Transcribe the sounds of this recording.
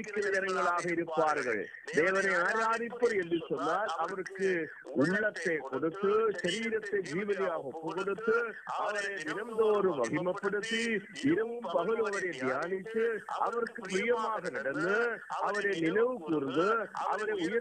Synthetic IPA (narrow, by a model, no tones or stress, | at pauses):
ɪkːɪɾɐjɛɾɐŋɡɐɭaːɣɐɪɾɯpːaːɾɣɐ̰ɭ | d̪eːʋɐnɐɪaːɾaːðɪpːɐɾɛndisɔnːaːlɐʋɐɾɯkːɯ | ʊɭːɐt̪ːekɔɽɯt̪ːɯʃɐɾiːɾɐt̪ːɐɪd͡ʒiːʋɐlijaːɣɐɔpːɐɣɔɽɯt̪ːɯɐʋɐɾeːnɪnɐmd̪oːɾɯmɐɣɪmɐpːɪɽɯt̪ːiɪɾɐʋɯmpɐɣɯlɐʋɐɾɐd̪ɪjaːnɪt̪ːɯʔɐ̰ʋɐɾɯkːɯpɾijɐmaːɣɐnɐɽɐnd̪ɯɐʋɐɾenɪnɐʋɯkuːɾɯnd̪ɯʔɐ̰ʋɐɾɐʊjɐ